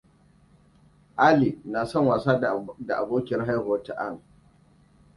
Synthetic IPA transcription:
ʔa˦li˨na˨sɔ˦˨ŋwaː˨saː˦da˨ʔa̰˨boː˦kʲɪ˨rɦa˦jho˦ta̰˨ʔa˦˨ŋ

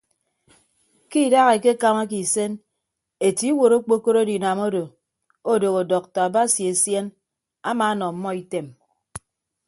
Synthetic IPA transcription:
ki˦˨da˦ɣe˨ke˦ka˦ma˦k̬i˨se˦n | e˨ti˦wo˨ɾo˦k͡po˦ko˦ɾo˦di˨na˨mo˦do˨ | o˦do˨ɣo˨dɔ˨k̚tɔ˨a˨ba˦si˨e˨sje˦n | a˦ma˨˦nɔ˨m̩˦mːɔ˦i˦te˨m

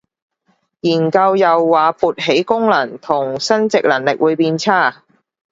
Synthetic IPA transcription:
jiː˨˩nkɐ˧wjɐ˨wːaː˨˧puː˨t̚ɦe˨˥jkʊ˥ŋlɐ˨˩nt̪ʰʊ˨˩ŋsɐ˥nt͡sɪ˨k̚lɐ˨˩ŋlɪ˨k̚wuː˨˧jpiː˧nt͡sʰaː˥˩

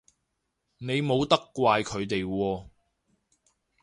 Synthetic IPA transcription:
ne˨˧jmo˨˧wt̪ɐ˥kːʷaː˧jkʰɵ˨˧ɥt̪e˨jwɔː˧

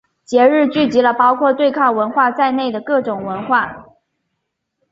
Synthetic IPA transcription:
t͡ɕjɛ˧˥ɻɻ̩˥˧t͡ɕy˥˩t͡ɕi˧˥lə˧pɑ˥ʊkʰwɔ˥˧t̪we˥˧ɪkʰɑ˥˩ŋwə˧˥nxwa˥˧t͡sa˥˧ɪne˥˩ɪd̪ə˩kɤ˥˩ʈ͡ʂʊ˨˩ŋwə˧˥nxwa˥˩

